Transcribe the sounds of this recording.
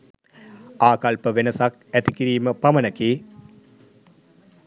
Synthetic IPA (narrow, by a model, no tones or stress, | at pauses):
aːkalpəʋenəsak̚æt̪ikiɾiːməpamənəkeː